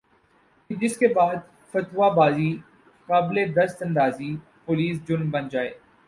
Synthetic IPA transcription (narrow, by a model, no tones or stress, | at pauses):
d͡ʒɪskebaːd̪̚ | fɐt̪ʋabaːzi | kaːbled̪ɐst̪ɐ̃nd̪aːzi | poːliːsd͡ʒʊnmbɐnd͡ʒaːḛː